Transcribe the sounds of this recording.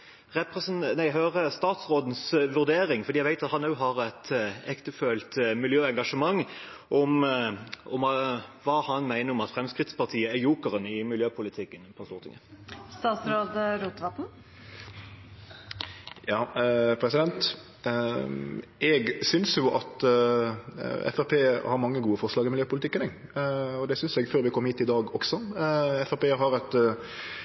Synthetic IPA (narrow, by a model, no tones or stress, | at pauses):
ʁɛpʁɛsnnæɪɦøːʁəst̪ɑːt̪sʁoːd̪n̩sʋʉʁd̪eːɾɪŋfɔʁd̪iːæɡʋæɪt̪ɑt̪hɑnːəʊɦɑʁɛt̪ɛkt̪əføːlt̪mɪljøːɛŋɡɑʂəmɑŋː | ʔɔm | ɔmʋɑːhɑnmæɪnəɾɔmɑt̪fɾɛmskʁɪt̪spɑʁt̪ʰiːəæjuːkəʁənɪmɪljøːpʰʊlɪt̪ʰɪkːənpʰɑst̪uːʁət̪ʰɪ̰ŋəst̪ɑːt̪sɾoːd̪əɾuːt̪ʋɑt̪n̩ | jɑːpʰɾɛsɪd̪ɛnt̪ | ʔɛɡsʏnsjʊʔɑt̪ | ɛ̰fɛpʰeːhɑɾmɑŋːəɡuːəfɔɾʂlɑːɡɪmɪljøːpʊlɪt̪ɪkːənɛɡ | ɔd̪ɛsʏnsɛɡføːɾʋɪkʰɔmːəhiːt̪ɪd̪ɑːɡɔksɔɛfæpeːɦɑɾɛt̪